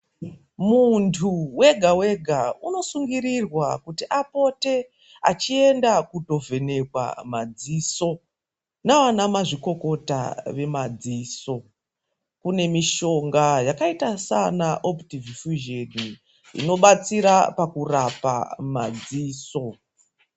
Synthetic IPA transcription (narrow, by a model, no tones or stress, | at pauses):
muntʰuwe̞ɡʱawe̞ɡʱauno̞suŋɡiɾirwakutiʔapo̞te̞ | a̰t͡ʃie̞ndakudʱo̞vʱe̞ne̞kwa̰mad͡ziːso̞ | naʋanamaʐiko̞ko̞ta̰ʋe̞mad͡ziːso̞ | kune̞miʃo̞ŋɡajakaitasanaʔoptivifuʒeni | ḭno̞ɓat͡siɾapakurapa̰mad͡ziːso̞